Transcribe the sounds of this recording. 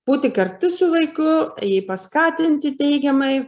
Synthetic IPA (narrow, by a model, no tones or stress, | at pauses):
b̥uːt̪ʲɪkɐrt̪ʊsʊʋɐɪkʊjɛɪpɐskɑːt̪ʲɪnʲt̪ʲɪt̪ʲɛɪɡʲɛmɐɪ